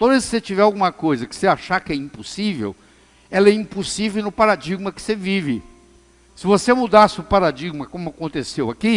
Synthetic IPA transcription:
t̪ãwd̪vejsɪ̥set͡ʃivɛawɡũmɐkojzɐkɪ̥seaʃakɪɛĩpusivḛw | ɛlɐɛĩpusivewnʊpaɾad͡ʒiɡ̚mɐkɪ̥sevivɪ | sɪvosemud̪asɪʊpaɾad͡ʒiɡmɐkõmʊakõnt̪esewaki

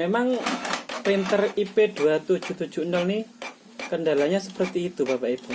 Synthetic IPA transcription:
memaŋpɾint̪əriped̥uwat̪ud̥ʒ̥ṳt̪u̥d͡ʒ̥ṳnɔlnih | kəndalaɲasəpərt̪iːt̪ubapaeb̥u

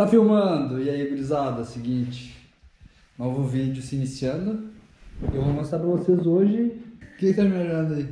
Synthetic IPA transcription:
t̪afiwmɐ̃d̪ʊɪaibilizad̪ʊɐsɪɡĩt͡ʃɪ̥ | nõw̃vʊvid͡ʒʊsɪinisiɐ̃nd̪ʊ | ewvomɐ̃saɾpɾɐvosezoʒɪkẽkt̪amĩɐʒɾɐ̃nd̪ɐi

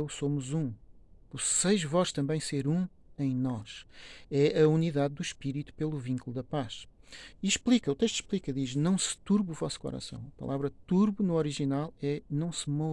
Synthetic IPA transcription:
ewsomuzũpuɾsɐjʒvɔʃt̪ɐ̃mbɐ̃j̃seɾũ | ẽj̃nɔʃɛʔɐuniðaðd̪uʃpiɾit̪u̥pelˠuvĩŋkulˠuðɐpaʃiʃplˠikɐut̪eʃt̪u̥ʃplˠikɐðiʒnɐ̃w̃sɨ̥t̪uɾβuvɔsu̥kɔ̰ɾɐ̰sɐ̰̃w̃ɐpɐ̰lˠavɾɐt̪uɾβunuɔɾiʒinalˠɛnɐ̃w̃sɨmɔ

